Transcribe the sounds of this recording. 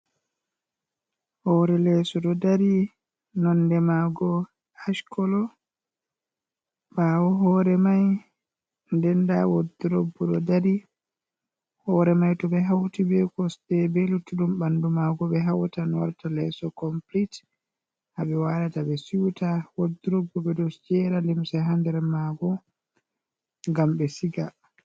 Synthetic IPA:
hɔːɾɛlɛsɔɗɔdaɾi | nɔndɛmaɡɔ | aʃkɔlɔ | baːwɔɦɔːɾɛmaj | ndɛndawodɾobːɔɗɔdaɾi | hɔɾɛmajtɔbɛɦawtibɛkɔstɛbɛlutuɗumbandumaɡɔɓɛɦawtanɔɾtalɛsɔkɔmplit | habɛwaɾatabɛsiwtawodiɾobːɔbɛdɔsd͡ʒɛɾalimsɛɦandɛɾmaɡɔ | ŋɡambɛsiɡa

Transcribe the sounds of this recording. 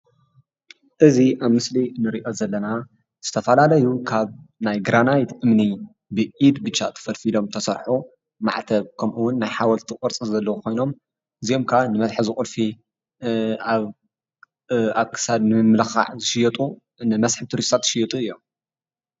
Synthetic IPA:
ʔɨziʔaβmɨslinɨɾiʔo̞zɐlːɐna | z̥ɨt̪ʰɐfɐlalɐjukʰaβnajɡɾanajt̪ʰʔɨmni | bɨʔid̪bɨt͡ʃːat̪ʰɐ̥fɐlfilo̞mt̪ʰɐsɐɾħu | ma̰ʕt̪ʰɐβkʰɐmʔuwʊnːajħawɐlt̪ʰikʼɔɾt͡sʼizɐlːɐwukʰo̞jno̞m | ʔɨzio̞mkʰaanɨmɐsħzɨxʼʊlfi | a | aβkʰɨ̥sad̪nɨmɨmlɐxa̰ʕzɨʃɪjɛt̪ʼu | nɨmɐsħɨt̪ʰuɾist̪ʰat̪ːʃɪjɛt̪ʼuɨjːom

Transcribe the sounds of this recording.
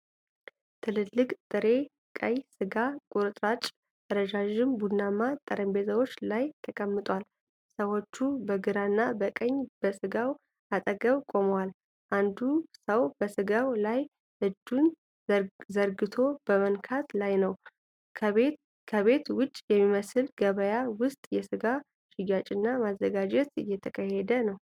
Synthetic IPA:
t̪ʰɨlɨlːɨkʼt̪ʼɨɾe̞ | kʼəjsɨɡakʼuɾɨt̪ʼɾat͡ʃʼ | ɾəd͡ʒaʒɪmbunːamat̪ʼəɾəmbe̞zʰəwo̞t͡ʃːlajt̪ʰəkʼəmːɨt̪ʼwal | səwo̞t͡ʃːubəɡɨɾanːabəkʼəɲːb̥əsɨɡaw | ʔat̪ʼəɡəβkʼo̞məwal | ʔand̪usəwbəsɨɡawlaj | ʔɨd̪ːun | zəɾɡɨt̪ʰo̞b̥əmənkʰat̪lajnəwʰ | kʰəβe̞t̪wʊt͡ʃʼːjɛmːiməsɨlɡəβəjawʊst̪ʼjɛsɨɡa | ʃɪjat͡ʃʼɪnːamazːəɡad͡ʒɛt̪ɨ̰jːɛt̪ʰəkʼʰəhed̪ənəw

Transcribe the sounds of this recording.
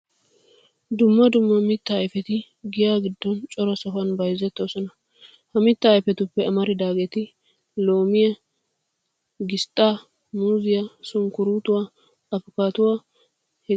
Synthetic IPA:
d̪ʊmːɐd̪ʊmːɐmɪt̪ːɐːjfɛt̪ɪ | ɡɪjaːɡɪd̪ːɔnt͡ʃʼɔɾɐsɐhɐnbɐjzːɛt̪ːoːsɔnɐ | hɐmɪt̪ːɐːjfɛt̪ʊpːɛɐmɐɾɪd̪aːɡɛt̪ɪ | lo̞ːmɪjɐ | ɡɪst̪ʼːaː | muːzɪjasʊŋkʊɾuːt̪ʊwaː | ɐfʊkaːt̪ʊwaː | hɛ

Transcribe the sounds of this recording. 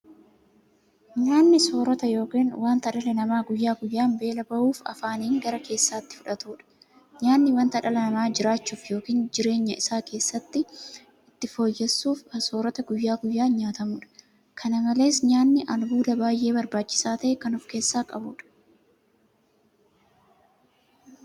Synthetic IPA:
ɲaːnːɪso̞ːɾɔt̪ɐjo̞ːkiːnwaːnt̪ɐᶑɐlɛnɐmaːɡʊjːaːɡʊjːaːmbe̞ːlɐbɐʔuːfɐ̰faːniːŋɡɐɾɐkʰe̞ːsːaːt̪ːɪ̥fʊᶑɐt̪uːᶑɐ̥ | ɲaːnːɪwɐnt̪ɐᶑɐlɐnɐmaːd͡ʒɪɾaːt͡ʃːuːfjo̞ːkiːnd͡ʒɪɾe̞ːɲːɐɪsaːkʰe̞ːsːɐt̪ːɪ | ɪt̪ːɪfo̞ːjːɛsːuːfɐso̞ːɾɔt̪ɐɡʊjːaːɡʊjːaːɲaːt̪ɐmuːᶑɐ̥ | kʰɐnɐmɐle̞ːsɲaːnːɪʔɐlbuːd̪ɐbaːjʔe̞ːbɐɾbaːt͡ʃːɪ̥saːt̪ɐʔɛkɐnʊfke̞ːsːaːkʼɐbuːᶑɐ̥

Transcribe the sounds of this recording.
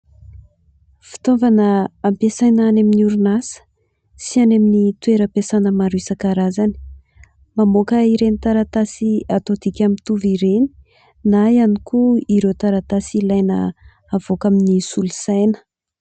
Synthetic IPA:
fi̥t̪omvanəːmpesajnanaminuɾunasə̥ | sianaminit̪ueɾəpesanəmaɾuisakaɾazani̥ | mamokəiɾenit̪aɾat̪asiat̪ot̪ikʲamint̪uviɾeni̥ | naianikuiɾewt̪aɾat̪asilajnə̰ | avokaminisulusajnə̥

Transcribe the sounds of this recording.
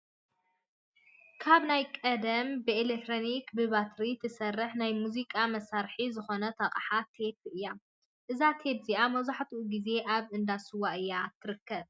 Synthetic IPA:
kʰaβnajkʼɐd̪ɐmbɨelekt̪ɾonikbɨβat̪ʰɾit̪ʰɨsɐrːɨħnajmuzikʼamɐsaɾħizɨxo̞nɐt̪ʰɐkʼħat̪ʰe̞p̚ʔɨjːa | ʔɨzat̪ʰe̞bziʔamɐwzaħt̪ʰuʔuɡize̞ʔaβʔɨnd̪asɨwaʔɨjːat̪ʰɨɾɨkːɐβ

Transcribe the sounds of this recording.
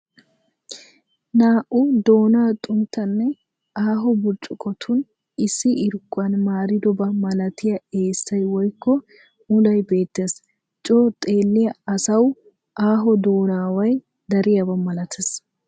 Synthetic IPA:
naːʔʔʊd̪o̞ːnaːt̪ʼʊnt̪ːɐnːɛ | ʔaːɦɔbʊɾt͡ʃʼʊkɔt̪ʰʊn | ɪsːɪɪɾkʼːʊɐnmaːɾɪd̪ɔbɐmɐlɐt̪ɪjɐe̞ːsːɐjwɔjkːɔ | ʊlɐjbe̞ːt̪ːeːs | t͡ʃʼoːt̪ʼe̞ːlːɪjɐɐsɐw | ʔaːɦɔd̪o̞ːnaːwɐj | d̪ɐɾɪjɐbɐmɐlɐt̪ʰes

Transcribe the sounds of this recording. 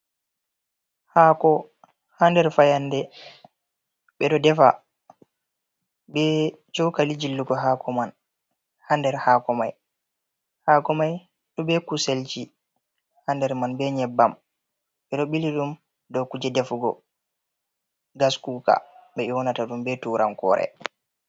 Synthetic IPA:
hakɔ | handɛɾfajandɛ | ɓɛɗɔdɛfa̰ | bɛ | t͡ʃɔwkalid͡ʒilːuɡɔɦakɔman | handɛɾhakɔmaj | haːkɔmaj | ɗɔbɛkuselt͡ʃi | handɛɾmanbɛɲɛbːam | ɓɛɗɔɓiliɗum | dɔkud͡ʒɛdɛfɡɔ̰ | ɡaskuka̰ɓɛiwɔnataɗumbɛtuɾʔa̰nkɔ̰ɾɛ̰

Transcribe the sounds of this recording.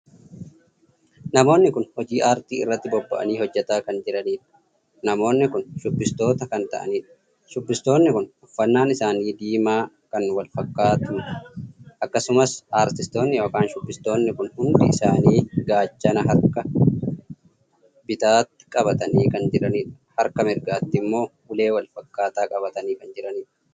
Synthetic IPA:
nɐmo̞ːnːɪkʊnhɔd͡ʒiːʔaːɾt̪iːɪ̰rːɐt̪ːɪbɔbːɐ̰ʔɐ̰niːhɔd͡ʒːɐt̪aːkɐnd͡ʒɪɾɐniːᶑɐ̥ | nɐmo̞ːnːɪkʊnʃʊbːɪst̪o̞ːt̪ɐkɐnt̪ɐ̰ʔɐ̰niːᶑɐ̥ | ʃʊbːɪst̪o̞ːnːɪkʊnʊfːɐnːaːnɪsaːniːd̪iːmaː | kɐnwɐlfɐkːaːt̪ʊn | ʔɐkːɐsʊmɐsʔaːɾt̪ɪst̪o̞ːnːɪjo̞ːkaːnʃʊbːɪst̪o̞ːnːɪkʊnhʊnd̪ɪɪsaːniːɡaːt͡ʃːɐnɐɦɐɾkɐ | bɪt̪aːt̪ːɪ̥kʼɐbɐt̪ɐniːkɐnd͡ʒɪɾɐniːᶑɐ̥hɐɾkɐmɪɾɡaːt̪ːɪmːo̞ːʔʊle̞ːwɐlfɐkːaːt̪aːkʼɐβɐt̪ɐniːkɐnd͡ʒɪɾɐniːᶑɐ̥

